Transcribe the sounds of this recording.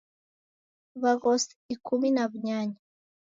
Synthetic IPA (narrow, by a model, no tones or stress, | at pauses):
βaɡosikʰuminaβuɲaːɲa